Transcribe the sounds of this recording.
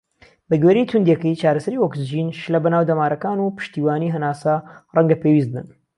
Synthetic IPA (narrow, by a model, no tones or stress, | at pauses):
bɐɡweɾijt̪ʰund̪jɛkəjt͡ʃaːɾɐsɐɾiwokzʒiːnʃlɐbɐnaːwd̪ɐmaːɾʔɐkaːnupɨ̥ʃt̪iːwaːniːɦɐnaːsarɐŋɡɐpeːwis̚bɨ̰n